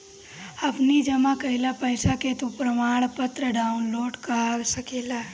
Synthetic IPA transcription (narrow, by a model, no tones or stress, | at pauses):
ɐpnid͡ʒəmakɐɦɪlapəɪsaket̪upɾəmaːɽ̃pət̪ɾəɖaːunloːʈkaaɾsəkeːla